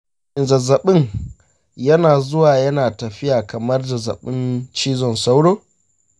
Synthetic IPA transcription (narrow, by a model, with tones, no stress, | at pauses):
ʔɪ˨nzɐ˨zɐ˨ɓɪ˦ŋ | jɐ˦naː˨zʊ˦waː˨jɐ˦naː˨tɐ˨ɸɪ˦jaː˨kɐ˨mɐ˦rda˨zɐ̰˨ɓɪ˦nt͡ʃiː˦zɔ˨nsa˦wɽoː˦